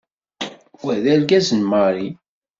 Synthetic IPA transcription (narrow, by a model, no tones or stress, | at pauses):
wæðælɡæzənməɾˤi